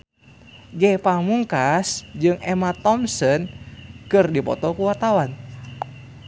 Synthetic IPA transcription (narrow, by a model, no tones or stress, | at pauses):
ɡɛpamuŋkasd͡ʒɨŋɛmat̪ɔmsɔnkɨrdipɔ̰t̪ɔkuwart̪awan